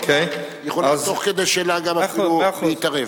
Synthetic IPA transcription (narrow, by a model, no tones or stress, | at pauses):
kʰejjeχolit̪oχked̪ejʃeːlaɡamafeit̪aʁev